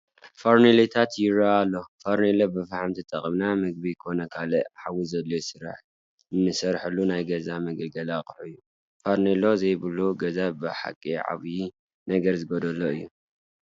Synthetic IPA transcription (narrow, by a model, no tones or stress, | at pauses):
foɾnelet̪ʰat̪jɪɾaalːo̞faɾnelobɨfaħamt̪ʰit̪ʼɐχʼɨmnamɨɡ̚bikʰo̞nɐkʰalɨħawizɐlːojsɨɾa̰ħ | ɨnːɨsɐɾħɨlːunajɡɐzamɐɡɐlɡɐlaχʼħɨjːu | faɾnelozɐjβɨluɡɐzabɨħa̰kʼːiʕa̰βji | nɐɡɐɾzɨɡod̪ɐlːoɨjːu